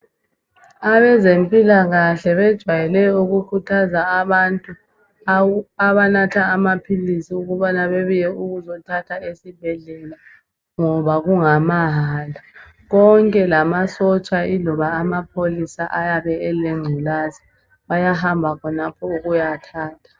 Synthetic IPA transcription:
aβɛzempʼilaɣaɬɛβɛd̥ʒ̥ʱwajɛlɛɔuɣukʰutʰazaːβantʼu | aβanatʰaːmapʰilisiuɣuβanaβeβujɛuɣuzɔtʰatʰaesib̥ʱɛɮɛla | ŋɔβaɣuŋamaɦala | ɣɔŋkʼɛlamasɔt͡ʃʼailɔβaːmapʰolisaʔajaβɛɛleŋ͡ǀʱulazi | βajahambʱakʰɔnapʰɔuɣujatʰaːtʰḁ

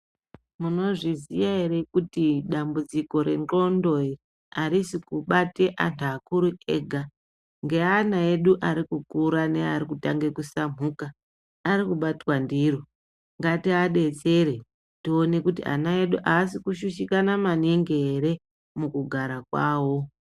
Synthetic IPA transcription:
muno̞ʐizijae̞ɾe̞kutiɗambud͡ziko̞ɾe̞ŋɡo̞ndo̞ir | aɾisikuɓate̞ʔantʰuakuɾueɡʱa | ŋɡe̞anae̞ɗuʔaɾikukuɾane̞aɾikutaŋɡe̞kusam̤uːkaː | ɾikuɓatwandiɾo̞ | ŋɡatiaɗe̞t͡se̞ɾe̞ | tio̞ne̞kutḭa̰nae̞ɗuʔaːsikuʃuʃikanamaneŋɡeeɾe̞ | mukuɡʱaɾakwaːwo̞

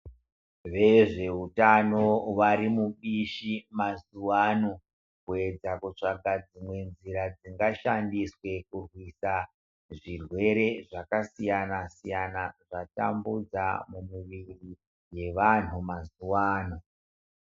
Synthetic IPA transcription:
ʋe̞ʐe̞utano̞waɾimuɓiʃimazuwano | kue̞d͡zakut͡ʂaɡʱad͡zimwe̞nziɾad͡ziŋɡaʃandiswe̞kurwisa | ʐirwe̞ɾe̞ʐakasijanasijanaʐatambud͡zamumuʋiri | je̞ʋan̤umazuwaːno

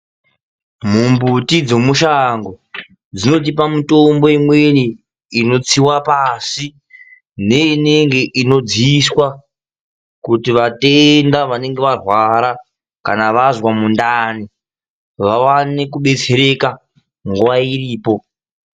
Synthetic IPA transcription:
m̤umbutid͡zo̞muʃaŋɡo | d͡zino̞t̬ipamitombo̞imweniː | no̞t͡siwapasi | ne̞ine̞ŋɡe̞ʔino̞d͡ziswa | kutiʋatendaʋane̞ŋɡe̞ʋarwaɾa | kanaʋazwamundani | ʋawanekuɓe̞t͡se̞ɾe̞ka | ŋɡuwairiːpo̞

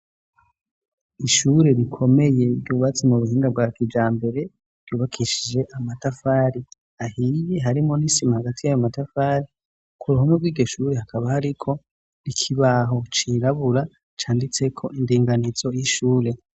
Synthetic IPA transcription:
iʃuːɾe̞ɾikʰo̞me̞je̞bɟuːβat͡semuβuhiːŋɡab̚ɡwaːkid͡ʒaːmbe̞ɾe̞ | b̥ɟ̥uːβakʰiʃid͡ʒe̞ʔamatafaːɾi | ahije̞ɦaɾimo̞niʃimahaɡatijajomatafaːɾi | kʰuɾuhomŋobɡwiːɡɟo̞ʃuːɾe̞hakaβahaɾikʰo̞ | ɾikʰiβaɦo̞t͡ʃiɾaβuɾa | t͡ʃaːndit͡se̞kʰo̞ʔindiːŋɡanizo̞jiʃuːɾe̞

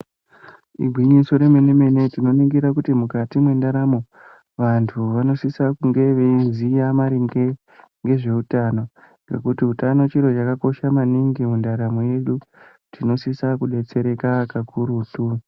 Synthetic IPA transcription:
ḭɡʱwiɲiso̞ɾe̞meneme̞ne̞tino̞niŋɡiɾakutimukatimwe̞ndaɾamo̞ | ʋantʰuʋano̞sisakuŋɡe̞ʋenzijamaɾiŋɡe | ŋɡe̞ʐe̞utano̞ | ŋɡe̞̰kutiutano̞t͡ʃiɾo̞t͡ʃakako̞ʃamaniŋɡimundaɾamoje̞ɗu | tino̞sisakuɗe̞t͡se̞ɾekakakʰuɾutu

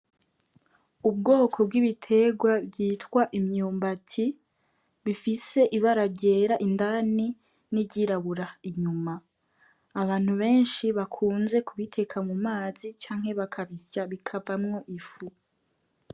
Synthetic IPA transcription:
ub̚ɡo̞ːkʰo̞b̚ɡiβitʰe̞ɡwabɟiːtkwaʔimɲuːmbatʰi | βifise̞ʔiβaɾaɟe̞ːɾaʔindani | niɟiɾaβuɾaiɲumaː | βaːn̥huβe̞ːnʃiβakʰuːnze̞kuβitʰe̞kʰamumaːzit͡ʃaːŋ̥he̞βakʰaβisjaβikʰavamŋo̞ʔifu

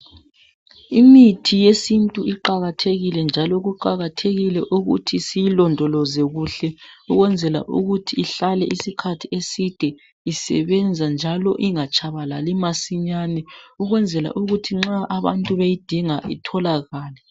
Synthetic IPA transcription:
imitʰijesintʼuiǃaɣatʰeɣilɛnd͡ʒʱalɔɣuǃaɣatʰeɣilɛʔuɣṵtʰisijilɔndʱɔlɔzɛɣuɬɛuɣwɛnd͡zʱɛla̰ʔṵɣutʰiːɬalɛʔisikʰatʰiesid̥ʱɛ | isɛ̰βɛnd͡zʱand͡ʒʱalɔ̰ʔiŋat͡ʃʰʼaβalalimasiɲanɛuɣwɛnd͡zʱɛla̰ʔuɣutʰiŋ͡ǁaʔaβa̰ntʼuβejid̥ʱiŋaʔḭtʰɔlaɣaːlɛ

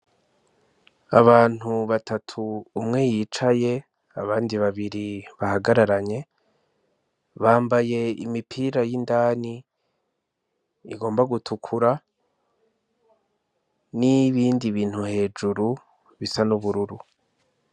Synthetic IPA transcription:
aβaːn̥huβatʰatʰuːmŋe̞jiːt͡ʃaje̞ | aβaːndiβaβiɾiβahaɡaɾaɾaɲe̞ | βaːmbaje̞ḭmipʰiːɾajindaːni | ɡo̞ːmbaɡutʰukʰuɾa | niβiːndiβiːn̥huhe̞ːd͡ʒuɾu | βisanuβuɾuɾu

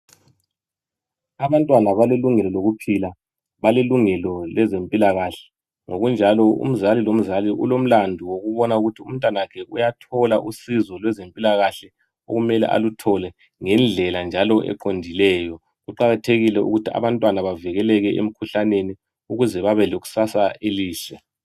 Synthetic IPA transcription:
aβantʼwanaβaleluŋɛlɔloɣupʰila | βaleluŋɛlɔlɛzempʼilaɣaɬɛ̥ | ŋoɣund͡ʒʱalɔṵm̩zalilom̩zaliʔulom̩landʱuwoɣuβɔnauɣutʰium̩tʼwanaakʰɛʔujatʰɔlaʔusizɔlwɛzempʼilaɣaɬɛ | o̰ɣumɛlɛ̰ʔa̰lutʰɔlɛ | ŋɛnd͡ɮʱɛland͡ʒʱalɔʔɛ̰ǃondʱilɛːjɔ | ɣuǃaɣatʰeɣilɛṵɣutʰia̰βantʼwanaβavɛɣɛlɛɣɛʔḛm̩kʰuɬaneni | uɣuzɛβaβɛloɣu̥sasaeliːɬɛ

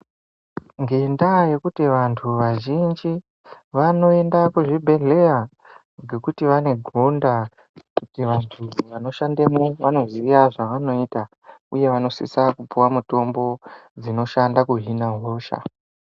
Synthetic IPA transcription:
ŋɡe̞ndaje̞kutiʋantʰuʋaʒind͡ʒi | ʋano̞e̞ndakuʐibʱe̞ɮe̞ja | ŋɡe̞kutiʋane̞ɡʱonda | kutiʋantʰuʋano̞ʃandemoʋano̞ziiaʐaʋano̞ita | uje̞ʋano̞sḭsakupuwamuto̞mbo̞d͡zino̞ʃandakuɦinaɦo̞ːʃa̰

